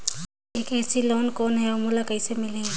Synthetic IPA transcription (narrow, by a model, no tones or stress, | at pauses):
eːkɛːsiloːnkoːnɦɛomulakɐɪsemɪlẽ